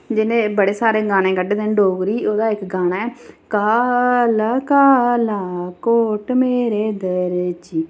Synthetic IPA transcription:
d͡ʒɪnẽːbəɽeːsaːɾeːɡaːnẽːɡəɖeːd̪ɪ̃ɳɖoːɡɾiːoːd̪aːɪkɡaːnaːɛːkaːlakaːlaːkoːʈmeːɾeːd̪əɾt͡ʃiː

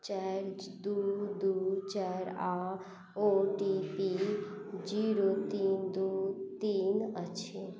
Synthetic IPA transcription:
t͡ʃaɾd͡ʒ | d̪ud̪ut͡ʃaːɾa | oʈipi | d͡ʒiɾot̪iːnd̪ut̪iːnət͡ʃʰi

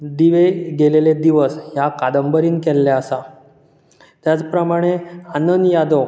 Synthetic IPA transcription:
d̪iʋeɡeleled̪iʋəsjakad̪əmbəɾiːnkɛlːaəsa | t̪jat͡spɾəmaɽ̃eanənjad̪o

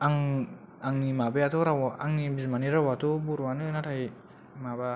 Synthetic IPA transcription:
aŋ | aŋnimabeatʰɔɾawaʔaŋnibizmaniɾawatʰɔbuɾwanɯnatʰaj | maba

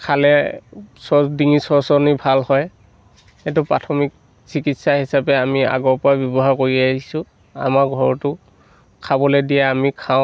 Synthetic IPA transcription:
kʰalɛsɔdiŋisɔɹsɔnibʱalhɔj | ɛt̬ʊpɹatʰɔmik̚ | sikitsaɦisapɛamia̰ɡɔɹpɔɹabjɔbɔɦaɹkoɹiaɦisʊ | a̰maɹɡʱɔɹɔtʊ | kʰabɔlɛdijaamikʰaʊ̃

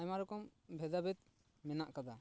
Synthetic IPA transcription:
ajmaɾɔkɔmbʱɛd̪abɛt̪̚ | mɛnaʔkad̪a

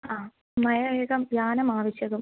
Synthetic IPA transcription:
aː | mɐjɐʋeːɣɐmbjaːnɐmaːʋɐɕjɐðum

